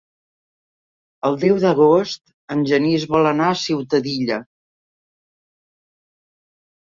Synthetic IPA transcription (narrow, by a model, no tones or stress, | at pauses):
əlˠd̪ɛwðəɣ̞ost̪ | ənʲʒənizβɔlənaəsiwt̪əðiʎə